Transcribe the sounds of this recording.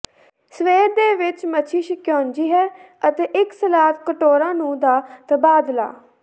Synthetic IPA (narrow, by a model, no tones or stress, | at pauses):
səʋeːɾd̪eːʋɪt͡ʃmət͡ʃʰiːʃɪkjɔːnd͡ʒiːɦɛː | ət̪eːʔɪksəlaːt̪kəʈoːɾãːnũːd̪aːt̪əbaːd̪la̰ː